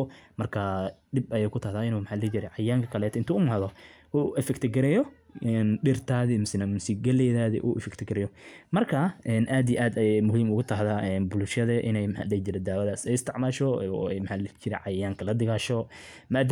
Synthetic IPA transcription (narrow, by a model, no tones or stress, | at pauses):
mɐrkʰaɖɪbɐjɛːkʰʊt̪ʰaːhðaːɪnuːmħaːlɛt͡ʃɪɾɛjʕɑjaːŋkʰɐkʰɐlɛːt̪ɪnt̪ʰuːʊmɐːðɔ | ʔuːʔɛfɛkt̪ʰɪɡɐɾɛjɔʔɛnɖɪrt̪ʰaːðɪmʊsɪnamʊsiɡɛlɛjðaːðɛ̰ʔṵːʔɛfɛkt̪ʰɪɡɐɾɛjɔmɐrkʰaːʔɛːnʔaːd̪ijʔaːd̪ɐjmʊɦiːmʊɣʊt̪ʰaɦðaːʔɛnbʊlʃjɐðɛʔɪ̰nɛjmħa̰lɛt͡ʃɪɾɛd̪aːwɐðaːsɛjɪst̪ʰɪʕmaːʃɔɛjmħaːlt͡ʃɪɾɛʕɑjaːŋkʰɐlɐd̪ɪɣaːʃɔ | maːd̪